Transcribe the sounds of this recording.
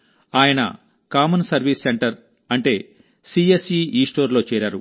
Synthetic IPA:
aːjɐnɐ̰ | kaːmɐnsɐɾʋiːsːeɳʈɐɾ | ɐɳʈe̞ː | siːesiːiːsʈo̞ːɾlo̞ːt͡ʃɛːɾaːɾu

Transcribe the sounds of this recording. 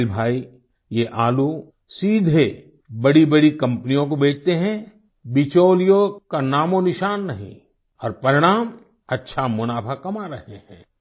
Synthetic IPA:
lbʱaːi | jeʔaːlu | siːd̪ʱe | bɐɽibɐɽikɐ̃mpnijõkobeːt͡ʃʰt̪eɦɛ̃ | bɪt͡ʃoːlijõkanaːmõnɪʃaːnːɐɦḭ̃ | ɔːɾpɐɾɪɽ̃aːm | ɐtːʃʰamʊnaːpʰakɐmaɾɐɦeɦɛ̰̃ː

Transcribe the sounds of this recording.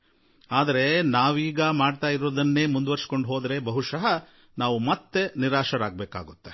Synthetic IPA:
aːd̪ɐɾe̞naːʋiːɡɐmaːɖt̪aːjiɾoːd̪ɐnːe̞ːmund̪ʋɐɾsko̞ɳɖɦoːd̪ɾebɐɦuʃɐɦɐ | naːʋumɐt̪ːe̞niɾaːʃɐɾaːɡ̚beːka̰ːɡut̪ːe

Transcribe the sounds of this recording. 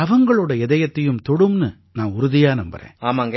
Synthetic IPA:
ɐʋɐŋɡɐɭoːɽɐɛðɐjɐt̪ːɐjɯmt̪ɔɽɯmnɯ | naːnʊɾʊðɪjaːnɐmbɐ̰ɾḛ̃ːaːmaːŋɡɐ

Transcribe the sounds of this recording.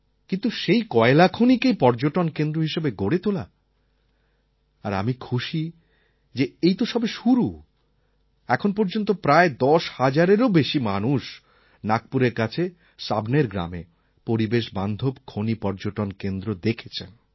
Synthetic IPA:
kint̪uʃejkɔelakʰonikejpɔɾd͡ʑoʈonkend̪ɾoɦiʃebeɡoɽet̪ola̰ | a̰ɾa̰mikʰuʃi | d͡ʑeejt̪oʃɔbeʃuɾu | ɛkʰonpoɾd͡ʑont̪̬opɾaed̪ɔʃhad͡ʑaɾeɾobeʃimanuʃ | nak̚puɾeɾkat͡ɕʰe | sabneɾɡɾa̰mḛ | poɾibeʃband̪ʱobkʰonipɔɾd͡ʑoʈonkend̪ɾod̪ekʰe̥t͡ɕʰen

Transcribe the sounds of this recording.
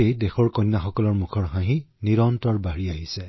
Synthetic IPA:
ejdexɔɹkɔnːaxɔkɔlɔɹmukʰɔɹɦãɦiniɹɔntɔɹbaɹiaɦisɛ

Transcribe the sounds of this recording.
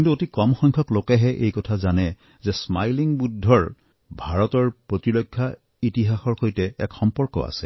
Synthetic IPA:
kintuotikɔmxɔjŋkʰɔklokɛɦɛʔejkɔtʰazanɛ | zɛsmajliŋbudʱːɔɹ | bʱaɹɔtɔɹpɹotiɹokʰːa | itiɦaxɔɹxojtɛɛ̰kxɔmpɔɹkɔ̰a̰sɛ

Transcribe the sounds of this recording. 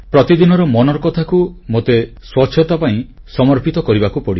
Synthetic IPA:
pɾɔt̪id̪inɔɾɔmɔnɔɾɔkɔt̪ʰakumot̪e | swɔt͡ʃʰːjɔt̪apaĩ | sɔmɔɾpit̪ɔkɔɾibakupɔɽi

